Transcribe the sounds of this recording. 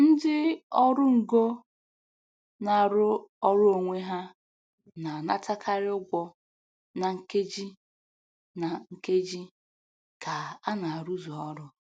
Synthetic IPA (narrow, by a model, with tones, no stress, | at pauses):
n̩˦dɪ˦ɔ˦ɾʊ˦ŋ̩˨ɡo˦ | na˨ɾʊ˦ɔ˦ɾʊ˦o˨ŋʷe˦ɦa˦ | na˨na̰˦ta˦kʰa˦ɾɪ˦ʊ˦ɡʷɔ˦ | na˨ŋ̩˨ke˦d͡ʒi˦ | na˨ŋ̩˨ke˦d͡ʒi˦ | ka˨a˦na˨ɾu˦zo˨ɔ˦ɾʊ˦